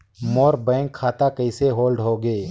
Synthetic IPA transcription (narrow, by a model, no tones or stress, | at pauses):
moːɾbɛ̃ːŋkʰːaːt̪akəɪseɦoːlɖɦoːɡeː